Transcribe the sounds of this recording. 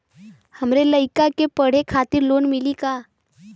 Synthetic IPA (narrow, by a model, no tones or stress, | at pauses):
həmɾeləjkakepəɽ̤ekʰat̪iːɾlonmiliːka